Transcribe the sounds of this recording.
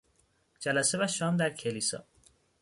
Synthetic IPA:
d͡ʒælæsevæʃɒːmd̪æɾcʰeliːsɒ̰ː

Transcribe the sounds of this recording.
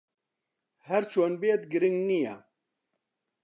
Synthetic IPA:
hɛɾt͡ʃʰoːnbeet̪ɡɨɾɪŋɡnijɛ

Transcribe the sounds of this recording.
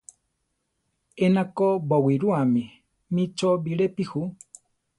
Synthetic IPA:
enakobowiɾuami | mĩt͡ʃobiɾepihu

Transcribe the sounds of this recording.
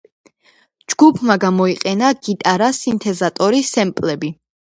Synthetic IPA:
d͡ʒɡ̥upʰmaɡamɔiqʼɛnaɡ̥it̪ʼaɾasint̪ʰɛzat̪ʼɔɾisɛmpʼlɛbi

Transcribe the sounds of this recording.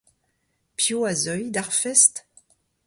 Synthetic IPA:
pjoazœjd̪aʁfɛst̪

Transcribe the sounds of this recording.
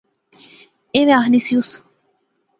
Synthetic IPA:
eʋẽaɦnisijus

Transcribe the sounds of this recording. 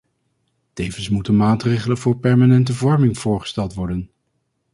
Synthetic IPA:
tejvənsmutənmaːtrejχələnvʊːɹpɛɹmaːnɛntəvɔɹmɪŋv̥ʊːɹχə̥stɛlˠtʋɔɹdən

